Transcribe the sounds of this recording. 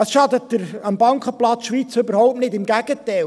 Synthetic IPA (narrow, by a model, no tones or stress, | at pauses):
ɑsʃɑdət̚dəɾɑmbɑŋkəplɑt͡sʃʋit͡søbəɾhɔʊp̚nɪdɪmɡæɡ̥ətɛɪl